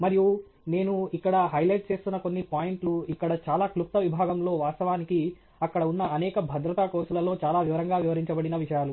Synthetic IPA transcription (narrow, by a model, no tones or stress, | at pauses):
mɐɾiju | ne̞ːnuikːɐɽɐɦɐjlɐjʈ̚t͡ʃe̞ːst̪unːɐko̞nːipaːjiɳʈluikːɐɽɐt͡ʃaːlaːklup̚t̪ːɐʋibʱaːɡɐmlo̞ːʋaːst̪ɐʋaːniki | ɐkːɐɽɐunːɐɐnɛːkɐbʱɐd̪ɾɐt̪akoːsulɐlo̞ːt͡ʃaːlaːʋiʋɐɾɐŋɡaːʋiʋɐɾiɲt͡ʃɐbɐɽinɐʋiʂɐjaːlu